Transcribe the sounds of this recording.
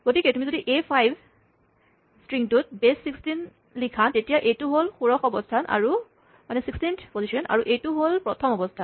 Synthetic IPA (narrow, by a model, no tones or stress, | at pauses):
ɡ̥otikɛtumizodiʔepʰajb | stɹiŋtʊt̚besːikstin | likʰantetijaʔejtʊɦolxuɹɔxɔbɔstʰanʔa̰ɹu | manɛsikstintʰpozisɔnʔa̰ɹuʔejtuɦolpɹɔtʰɔmɔbɔstʰan